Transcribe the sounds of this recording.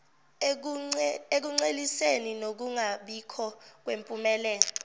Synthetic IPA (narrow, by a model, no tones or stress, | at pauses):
ek̬uŋ͡ǀeliseninok̬uŋaɓikʰɔk̬wempʼumɛlɛːlɔ